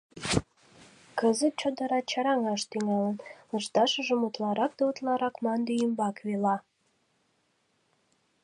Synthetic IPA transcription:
kəzət̪̚t͡ɕod̪ə̆ɾɑt͡ɕɑɾɑŋɑʃt̪yŋɑlənləʃt̪ɑʃəʒəmut̪lɑɾɑk̚d̪ɑut̪lɑɾɑkmɑnd̪ejəmbɑkβelɑ

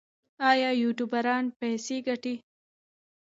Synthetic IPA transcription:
ɑːjɑːjuʈjubaɾɑːnpajseɡaʈi

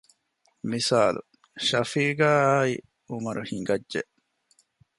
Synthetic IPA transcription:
misaːlṵ | ʃɐfiːɡæːaːi | umɐɾuhiŋɡɐdːeʔ

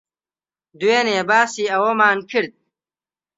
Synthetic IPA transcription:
d̪ueneːbaːsiɐwomaːnpʰiɾd̪̚

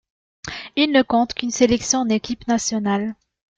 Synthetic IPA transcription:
ilnəkɔ̃t̪kʲynselɛksjɔ̃nekʲipnasjɔnal

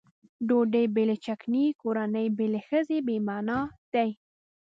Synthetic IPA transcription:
ɖoɖəjbelet͡ʃaknikoɾanəjbelexəzebemɑnɑd̪̥aj

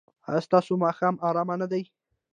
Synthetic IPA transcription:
st̪ɑsomɑxɑmɑɾɑmanad̪aj

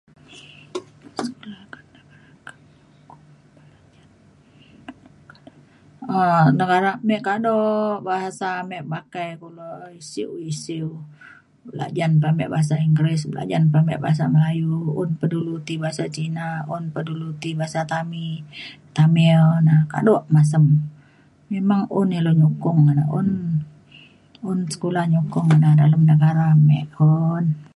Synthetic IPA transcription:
skulakanəɡaɾa | ənəɡaɾamɛʔkadɔbaɦasamɛʔpakajkulɔisiwisiw | bəla̰ʔd͡ʒanpamɛ̰ʔbaɦas̬aiŋɡɾɪsbəla̰d͡ʒanpamɛ̰ʔba̰ɦas̬aməlajuʊnpədulut̪ibaɦasat͡ʃinaunpədulut̪ibaɦasat̪amit̪aminaka̰dɔʔmas̬əm | memaŋʊniloɲukʊŋːana̰ʊn | ʊnsə̥kulahɲukʊŋanadaləmnəɡaɾamɛ̰ʔon

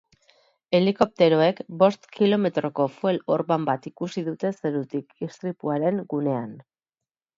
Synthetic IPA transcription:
e̞liko̞p̚t̪e̞ɾo̞e̞kbo̞st̪kilo̞me̞t̪ɾo̞ko̞fue̞lo̞ɾβambat̪ikusiðut̪e̞se̞ɾut̪ikist̪ɾipuaɾe̞ŋɡune̞an

